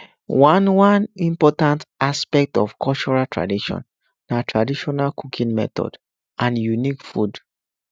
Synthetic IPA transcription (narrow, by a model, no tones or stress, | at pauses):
wãnwãnĩmpɔtãntaspɛk̚tɔfkʰɔlt͡ʃɔɹatʰɹa̰diʃɔ̰̃n | natʰɹadiʃɔnalkʰukʰĩnmɛ̰t̪ɔ̰d | ãnjunikfud